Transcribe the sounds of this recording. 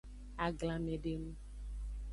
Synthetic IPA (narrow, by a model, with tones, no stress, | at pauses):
a˨ɡla˨me˨ɖe˦nũ˦